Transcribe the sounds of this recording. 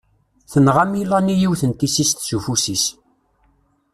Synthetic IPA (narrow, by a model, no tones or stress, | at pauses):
θənʁamilanijiwθənt̪isist̪sufusis